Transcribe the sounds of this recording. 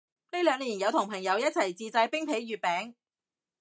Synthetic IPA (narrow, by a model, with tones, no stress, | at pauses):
ne˥jlœː˨˧ŋliː˨˩njɐ˨˧wt̪ʰʊ˨ŋpʰɐ˨˩ŋjɐ˨˧wjɐ˥t̚t͡sʰɐ˨˩jt͡siː˧t͡saː˧jpɪ˥ŋpʰe˨˥jɥyː˨t̚pɛː˨˥ŋ